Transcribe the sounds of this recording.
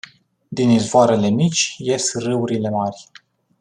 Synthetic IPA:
d̪inizvoaɾe̞le̞mit͡ʃʲje̞srɨuɾile̞marʲ

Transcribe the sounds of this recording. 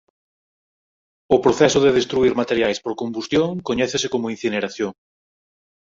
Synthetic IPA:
ʊpɾoθɛsʊðeð̞est̪ɾuiɾmat̪eɾjajspoɾkombust̪joŋkoɲɛθesekomoin̟θineɾaθjoŋ

